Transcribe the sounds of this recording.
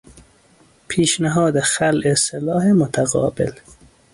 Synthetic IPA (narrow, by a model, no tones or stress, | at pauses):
pʰiːʃnaɦɒːd̪exalʔeselɒːɦemot̪ʰaɣɒ̰ːbɪ̰l